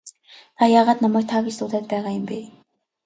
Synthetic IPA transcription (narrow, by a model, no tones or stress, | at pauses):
t̪ʰajaːʁaːt̪namæːk̚t̪ʰaɡʲist̪ʊɮæːt̪̚pæːʁaːjʊmpeː